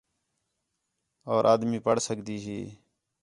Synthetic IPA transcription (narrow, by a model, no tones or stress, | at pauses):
oːɾʔaːd̪miːpəɽsəkd̪iːɦiː